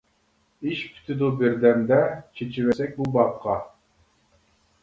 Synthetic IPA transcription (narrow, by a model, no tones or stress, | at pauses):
iʃpʰy̥t̪ʰɪd̪ubɪɾd̪ɛmd̪ɛt͡ʃʰet͡ʃʰiβɛsɛk̚ʲbubɑp̚qʰɑ